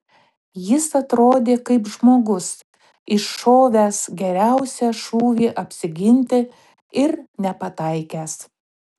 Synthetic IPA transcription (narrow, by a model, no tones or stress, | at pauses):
jɪsɐt̪ɾoːd̪ʲeːkɐɪpʒmoːɡʊs | ɪʃːoːʋʲæːsɡʲɛɾʲæʊsʲæʃuːʋʲiːʔɐpʲsʲɪɡʲɪnʲt̪ʲɪ | ɪɾnʲɛpɐt̪ɐɪkʲæːs